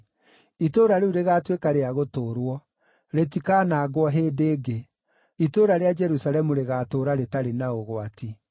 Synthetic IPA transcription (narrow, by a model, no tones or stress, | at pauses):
itoɾaɾeuɾeɣaːtwekaɾeaɣotoːɾwɔ | ɾetikaːnaːɡwɔɦeːdeːɡe | itoːɾaɾead͡ʒɛɾusaɾɛmuɾeɣaːtoːɾaɾetaɾenaoɣoatʰi